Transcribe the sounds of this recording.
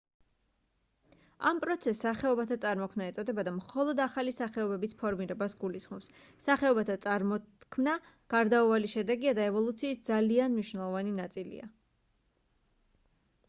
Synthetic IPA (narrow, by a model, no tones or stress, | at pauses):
ampʼɾɔt̪sʰɛsːaχɛɔbat̪ʰat̪sʼaɾmɔkʰmnaɛt̪sʼɔd̪ɛbad̪amχɔlˠɔd̪aχalisaχɛɔbɛbispʰɔɾmiɾɛbasɡulisχmɔpsː | aχɛɔbat̪ʰat̪sʼaɾmɔkʰmna | ɡ̥aɾd̪auvaliʃɛd̪ɛɡiad̪aɛvɔlˠut̪sʰiːsd̪zalianmniʃwnɛlˠɔvaninat̪sʼilḭa̰